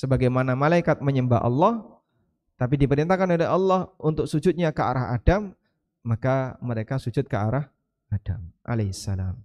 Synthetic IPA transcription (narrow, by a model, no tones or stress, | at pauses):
səbaɡajmanamalaikat̪̚məɲəmba̰ʔɑ̰lːɑh | t̪ap̬idipəɾint̪akanoleɦɑlːɑhunt̪ʊk̚sud͡ʒʊt̪̚ɲakəa̰ɾaɦa̰damː | akaməɾekasud͡ʒʊt̪̚kəaɾah | adamʔa̰lasːala̰m